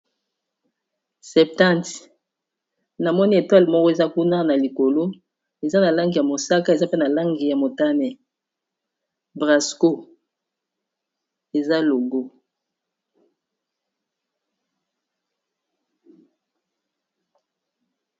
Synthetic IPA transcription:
sɛ˨p̚tã˦˨t | na˨mɔ˦ni˦e˨twa˦lmɔ˦kɔ˦e˨za˦ku˦na˦na˨li˨ko˨lo˦ | e˨za˦na˨la˦ŋɡi˨ja˨mo˨sa˦ka˦e˨za˦pe˦na˨la˦ŋɡi˨ja˨mo˨ta˦nɛ˨ | bʁa˨sko˦ | e˨za˦lo˨ɡo˦

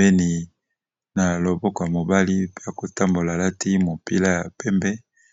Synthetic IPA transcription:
e˦ni˨ | na˨lo˨bɔ˦kɔ˨ja˨mo˨ba˦li˦pe˦ja˨ko˨ta˦mbo˨la˨la˦tʰi˦mo˨pḭ˦la˦ja˨pɛ˦mbɛ˦

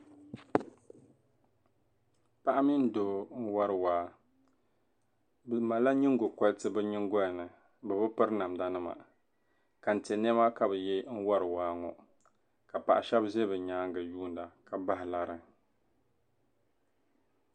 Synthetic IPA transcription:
pa˦ʔa˦mi˦n˦doː˦n̩˦wa˦ɾɨ˨waː˦ | bma˨la˦ɲi˦ŋ˦ɡo˨ka˦ltɨ˦bɛ˦ɲi˦ŋ˦ɡɔ˦˨nɨ˨ | bɨ˨bɨ˦pɨ˦ɾna˨m˨da˦nɨ˦ma̰˨ | ka˨n̩˨tɛ˨nɛ˦ma˦ka˨bɨ˨jɛ˦n̩˦wa˦ɾɨ˨waː˦ŋɔ˨ | ka˨pa̰˨ʔa˨ʃɛ˦bze˦bɨ˨ɲaː˦ŋɡɨ˨juː˦˨n˦da˨ka˨ba˦hɪ˨la˨ɾɨ˨

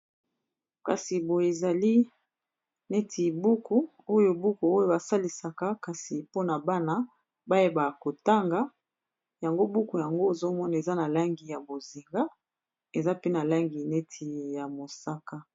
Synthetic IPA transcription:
ka˨si˨bo˨e˨za˨li˦ | ne˦tʰi˨bu˦ku˦ | o˦jo˦bu˦ku˨o˦jo˦ba˨sa˦li˨sa˨ka˦ka˨si˨po˦na˨ba˦na˦ | ba˦e˦ba˨ko˨ta˦ŋɡa˨ | ja˨ŋɡo˦bu˦ku˨ja˨ŋɡo˦e˨zo˦mɔ˦na˨e˨za˦na˨la˦ŋɡi˨ja˨bo˨zi˨ŋɡa˦ | e˨za˦pe˦na˨la˦ŋɡi˨ne˦tʰi˨ja˨mo˨sa˦ka˦

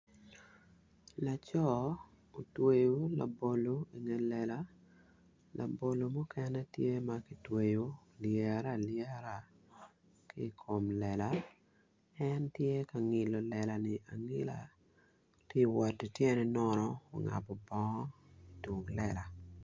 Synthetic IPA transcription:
la˨t͡ʃɔ˦ | o˨twe˨jo˦la̰˨bo˨lo˨˦i˨ŋɛ˨lɛ˨la˦ | lʔa̰˨bo˨lo˨mɔ˦kɛnɛ˦tje˦ma˦ki˨twe˨jo˦ | ljɛ˨ɾa˦ljɛ˦ɾa˦˨ | ki˦˨kʰo˨mlɛ˨la˨˦ | ɛntje˦ka˨ŋɪ˨lo˨lɛ˨la˨nɪ˨ʔa˨ŋi˦la̰˨ | ti˦wa˨di˨tjɛ˦nɛ˨nɔ˦nɔ˦o˨ŋa̰˨pɔ˨bɔ˦ŋɔ˦i˨tu˨ŋlɛ˦˨la˨

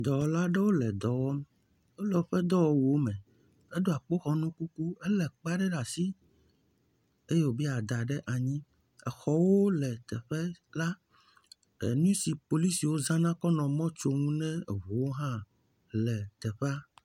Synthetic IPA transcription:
d̪ɔ˨wla˦ɖɛ˦wo˦lɛ˨d̪ɔ˨wɔ˦m | o˦lɛ˨o˨˦ɸɛ˦d̪ɔ˦wo˦wo˦mɛ̃˨ | e˦d̪o˦a˨k͡po˦xɔ˦nũ˦ku˦ku˦ɛ˦lɛ˨k͡pa˦ɖɛ˦ɖa˨si˦ | e˦jɛ˨wo˨bi˦a˨d̪a˨ɖɛ˦ʔa˨ɲĩ˦ | ɛ̰˨xɔ˨wo˦lɛ˨t̪ɛ˨ɸɛ˦la˦ | ɛ̰˨nũ˦si˨po˨li˦si˨wo˦zã˦nã˦kɔ˦nɔ̃˨mɔ̃˦t͡ʃo˦ŋũ˦nɛ̃˦˨βu˨wo˦ɦã˦ | lɛ˨t̪ɛ˨ɸa˦

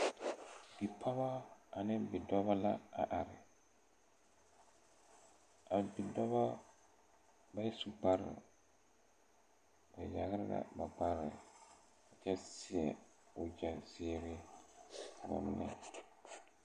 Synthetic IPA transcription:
b̥i˨pʰa˦ba˦a˨nɪ˦bɪ˨dɔ˦ba˦la˦a̰˨ʔa˨ɾɪ˨ | a˨bɪ˨dɔ˦ba˦ | ba˦su˦ɡ͡ba˦ɾɪ̰˨ | ba˨ja˨ɣa˦ɾɪ˦la̰˦˨ba˨ɡ͡ba˦ɾɪ˨ɪ˨ | ka˨t͡ʃɛ˦sɪ˦ɛ˨ | ʊ˨d͡ʒɛ˨sɪː˦ɾɪ˦˨ | bʊ̰˨m˦nɪ̰˦

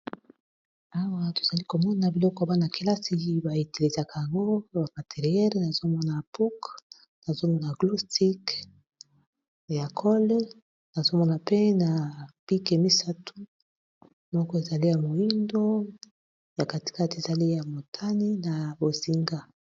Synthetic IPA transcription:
a˦wa˦to̥˨z̥a˨li˦ko˨mɔ˦na˨bi˨lɔ˦kɔ˦˨ba˦na˨ke˨la˦si˨ba˨e˨te˨le˨za˨kʰa˨ja˨ŋɡo˦ba˨ma˨te˨ʁi˨ɛ˦lna˨zo˦mɔ˦na˨pu˦k | na˨zo˦mɔ˦na˨ɡlu˦sti˦k | ja˨kʰɔ˦l | na˨zo˦mɔ˦na˨pe˦na˨pi˦ke˨mi˦sa˦tʰu̥˦ | mɔ˦kɔ˦e˨za˨li˦ja˨mo˨i˦ndo˦ | ja˨ka˨ti̥˨ka˦te˨za˨li˦ja˨mo˨tʰa˦ni˦na˨bo˨zi˨ŋɡa˦

